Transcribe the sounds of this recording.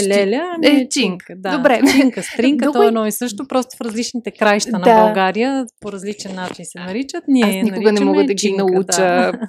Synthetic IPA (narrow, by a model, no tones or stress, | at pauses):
lʲɛlʲəɛt͡ʃiŋkd̪ad̪obɾɛt͡ʃiŋkəst̪ɾiŋkəɔɡ̪ɔɛnɔisɤʃt̪opɾɔst̪o̥fɾɐzlit͡ʃnit̪ɛkɾajʃt̪ədnɐabɐlɡaɾijəpoɾɐzlit͡ʃɛnːat͡ʃinsɛnɐɾit͡ʃət̪nʲiaɛnikʊɡənɛmɔɡəd̪ɐɡinɐut͡ʃə